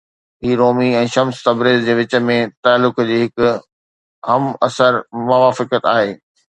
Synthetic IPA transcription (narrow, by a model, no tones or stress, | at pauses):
ɦiːɾoːmiɛ̃ːʃɐmst̪ɐbɾeːzd͡ʑeːʋɪt͡ɕə̆mẽt̪aːlːʊkd͡ʑiːɦɪkʊ | ɦɐmɐsəɾmʊʋaːfɪkət̪aːɦeː